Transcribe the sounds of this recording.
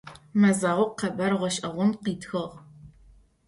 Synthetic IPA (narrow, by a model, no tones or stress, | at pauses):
mɐzaːʁʷʊqɐbɐɾʁʷɔʃʼɐʁʷʊnqiːtxɨʁ